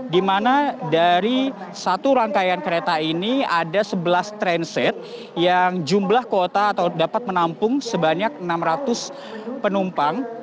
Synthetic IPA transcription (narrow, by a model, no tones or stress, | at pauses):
dimanadaɾi | sat̪uɾaŋkajankəɾet̪ainiadasəbəlast̪ɾɛnsɛt̪̚ | jaŋd͡ʒumblahkot̪aːt̪awdapat̪̚mənampʊŋsəbaɲak̚ənamɾat̪ʊs | pənumpaŋ